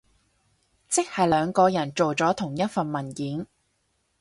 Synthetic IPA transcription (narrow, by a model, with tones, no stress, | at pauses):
t͡sɪ˥k̚hɐ˨jlœː˨˧ŋkɔː˧jɐ˨˩nt͡ʃo˨wt͡sɔː˨˥t̪ʰʊ˨˩ŋjɐ˥t̚fɐ˨nmɐ˨˩njiː˨˥n